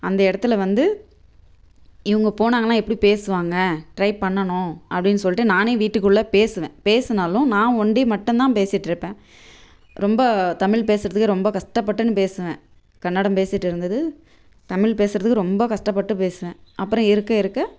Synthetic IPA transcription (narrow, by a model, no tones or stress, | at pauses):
ɐnd̪ɐɪɽɐt̪ːɪlɐʋɐnd̪ɯ | ɪʋɐŋɡɐpoːnaːŋɡɐlãːɛpːɐɽipeːsɯʋaːŋɡɐʈɾɐɪpɐɳːɐɳʊ̃ʔɐpːɐɽɪnːɯs̬ɔlːɪʈːɯnaːneːʋiːʈːɯkːɯɭːɐpeːsɯʋḛ̃ːpeːsɯnaːlʊ̃nãːɔɳɖimɐʈːʊ̃mt̪ãːpeːsɪʈːɪɾɯpːẽː | ɾɔmbɐt̪ɐmɪɭp̬eːsɯɾɐðɯkːɯɾɔmbɐkɐʂʈɐpːɐʈːɯnːɯpeːsɯʋẽː | kɐnːɐɽɐmpeːsɪʈːɪɾɯnd̪ɐðɯ | t̪ɐmɪɭpeːsɯɾɐðɯkːɯɾɔmbɐkɐʂʈɐpːɐʈːɯpeːsɯʋẽːʔɐpːɯɾɔ̃ɪɾɯkːɐɪɾɯkːɐ